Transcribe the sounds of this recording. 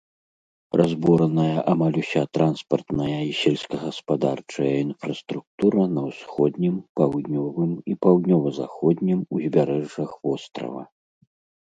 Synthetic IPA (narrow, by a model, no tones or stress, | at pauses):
razbɔɾɐnɐjɐʔamalʲusʲat̪ɾanspɐrt̪nɐjɐisʲɛlʲsʲkɐɣɐspad̪art͡ʂɐjɐinfɾɐst̪ɾuk̚t̪uɾɐnɐwsxɔd̪nʲimpawd̪nʲɔvɨmipawd̪nʲɔvɐza̰xɔd̪ʲnʲimuzʲbʲaɾɛʐːɐxvɔst̪ɾɐ̰vɐ̰